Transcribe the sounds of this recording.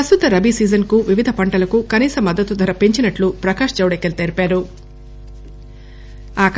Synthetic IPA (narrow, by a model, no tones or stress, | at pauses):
ɐst̪ut̪ɐɾɐbʱisiːd͡ʒɐnkuʋiʋid̪ʱɐpɐɳʈɐlɐkukɐniːsɐmːɐd̪ːɐt̪ud̪ʱɐɾɐpe̞ɲt͡ʃinɐʈlupɾɐkaːʂt͡ʃɐwɽekːelt̪eɾipaːɾu | aːk